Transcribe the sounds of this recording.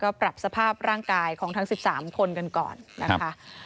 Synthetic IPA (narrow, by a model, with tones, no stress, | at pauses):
kɔː˥˩pɾa˨˩p̚sa˧pʰaː˥˩p̚ɾaː˥˩ŋkaː˧jkʰɔː˩˦ŋt̪ʰa˦˥ŋsi˨˩p̚saː˩˦mkʰo˧nka˧nkɔ̰ː˨˩nːa˦˥kkʰa˦˥